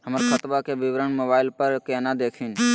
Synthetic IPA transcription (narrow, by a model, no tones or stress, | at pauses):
ɦəməɾkʰət̪baːkeːʋɪʋɾəɳmoːbaːɪlpəɾkeːnãːd̪eːkʰiːn